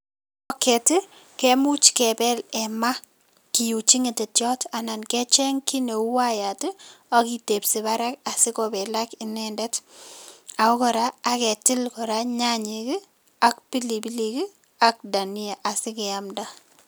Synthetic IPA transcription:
ɔ˦kɛ˨tɪ˦ | kɛmu˦t͡ʃkɛpɛ˦lɛ˨ma˦ | ki˨ju˨t͡ʃi˦ŋɪ˨tɛ˨tjɔ˦ta˨na˨nkɛ˦t͡ʃɛ˦ŋki˦ne˨u˦waja˨tɪ˦akite˨psi˨ba˦ɾa˦ka˨sɪ˦kɔbɛ˨la˦kɪnɛndɛ˦t | a˨ɔ˦kɔ˨ɾaː˦kɛ˨tɪ˦lkɔɾaɲaɲɪki˦ | a˨k̚pi˦li˨bi˦liki˦ | ak̚da˨ni˦a˨ʔa˨sɪ˦kɪamda˦

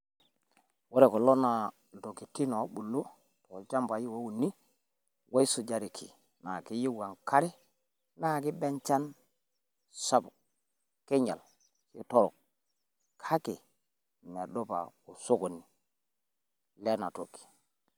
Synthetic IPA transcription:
wo˦ɾe˨ko˨lo˦na˨ | do˨ki˨ti˦no˨˦bu˨lːu˦ | to˨d͡ʒa˦mba˨ji˦wo˦wu˨nːi˦ | wa˦su˨d͡ʒa˨ɾi˨kʰi˨ | na˨ki˦ji˦wa˨ŋka˦ɾe˦ | na˦˨ki˦be˦nt͡ʃa˦n | sa˦bu˨ | ke˦ɲa˨l | t͡ʃi˦to˦ɾo̰˨k̚ | kʰa˦ki˨ | ne˨do˦pa̰˨ku˨so˦ko˨nːi˨ | le˦na˨to̰˨ki̥˨

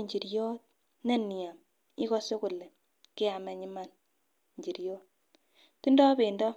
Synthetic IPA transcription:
ɲd͡ʒi˨ɾjɔ˦t̚ | nɛ˦ni˨a˨m | i˦kɔ˦se˦ku˨lɛ˨ | ke˦a˨mɛ˨ɲi˦ma˦n | ɲd͡ʒi˨ɾjo˦t̚ | ti˦ndɔ˦be˨ndɔ˦

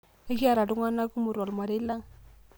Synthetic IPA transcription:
a˦ki˦a˨ɾa˨du˦ŋa˦nːa˦ku˦mu˨ɾa˨lma˨de˦la˦ŋ

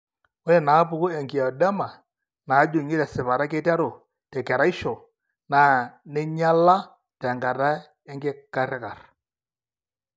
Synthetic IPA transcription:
o˦ɾɛ˨na˨˦pʊ˨kʊ˦ɛ˨ŋki˨ɔ˨dɛ˦ma˨ | na˨˦d͡ʒʊ˨ŋɪ˦ɾɛ˨sɪ˨βa˨ɾa˦ke˦ta˦ɾo˨ | tɛ˨kɛ˨ɾa˦i˦ʃɔ˨ | naː˨nɛ˦ɲa˦la˦ | tɛ˨ŋɡa˨ɾa˦ | ɛ˦ŋɡɪ˦ka˦ɾɪ˦ka˨r

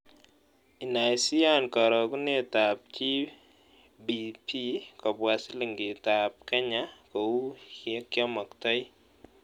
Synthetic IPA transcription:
i˨na˨jsi˦a˦nkɔ˨ɾɔ˨ku˦ne˦˨ta˨p̚t͡ʃi˦ | bi˨pʰi˦kɔ˨pwa˨si˦li˨ŋɡɪ˨ta˨p̚kɛ˦ɲa˦kɔ˨wu˦kɛ˦kjɔ˦mɔ˨ktɔ˦j

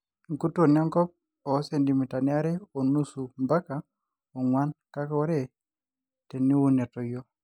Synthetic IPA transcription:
ŋku˦to˨n˦ɔ˦ŋkɔ˦p̚ | ɔ˨˦se˨ndi˨mi˨ta˨ni˦a˦ɾɛ˦o˨nu˦su˨mba˦ka˨ | ɔ˨ŋwa˦nka˦kɔ˦ɾɛ˦ | te˨ni˦wu˦ne˨tɔ˨jo˦

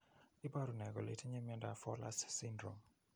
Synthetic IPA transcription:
i˦ba˦ɾu˨nɛ˨ɡɔ̰˨lḛ˨tʰi˦ɲɛ˦mɛ˦nda˨fɔ˦la̰˦ssi˦ndɾɔ̰˨m

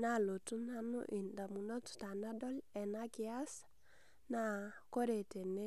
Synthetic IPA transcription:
na˦˨lo˨tu˦na˦nṵ˦ʔi˨nda˨mu˨no˦tta˨na˦dɔ˦lɛ˨na˦ki˦a˦s | na˨ko˦ɾe˨te˨ne˦

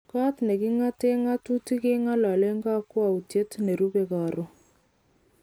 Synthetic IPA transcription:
ka˦tnɛ˨ki˦ŋa˦te˦ŋa˦tu˦ti˦ke˦ŋa˦la˨le˦ŋɡa˦kwa˨u˨tje˦tne˨ɾu˦be˨ka˨ɾo˦

